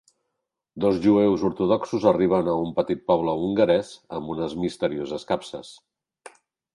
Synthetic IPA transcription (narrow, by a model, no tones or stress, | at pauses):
d̪ɔzʒuewzuɾt̪uðɔksuzəriβ̞ənəumpət̪it̪̚pɔβləuŋɡəɾɛzəmbunəzmist̪əɾiozəskapsə̰s